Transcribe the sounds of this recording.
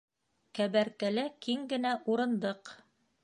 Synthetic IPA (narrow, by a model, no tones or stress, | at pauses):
kæβæɾkælækiŋɡɘ̆næʔuɾɤ̆nd̪ɤq